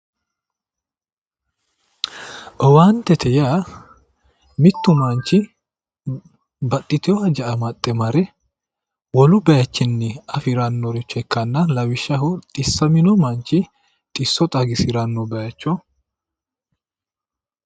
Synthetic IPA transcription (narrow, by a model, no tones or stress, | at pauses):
ʔɔwaːnt̪ɛt̪ʰɛjaː | mɪt̪ːʊmɐnt͡ʃːɪ | bɐt̪ʼːɪt̪ɪjɔhɐd͡ʒɐʔɐmɐt̪ʼːɛmɐɾɛ | wɔlʊbɐjɐt͡ʃːɪnːɛɐfɪɾɐnːɔɾɪt͡ʃːɛkːɐnːɐlɐwɪʃːɐɦʊt̪ʼɪsːɐmɪnɔmɐnt͡ʃːɪ | t̪ʼɪsːɔt̪ʼɐɡɪsɪɾɐnːɔbɐjɐt͡ʃːɔ